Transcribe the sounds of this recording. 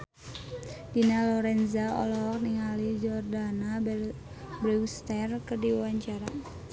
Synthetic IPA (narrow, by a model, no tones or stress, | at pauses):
dinalɔɾɛnzaɔ̰lɔk̚niŋalid͡ʒɔrdana | bɾiwst̪ɛrkɨrdiwaɲt͡ʃaɾa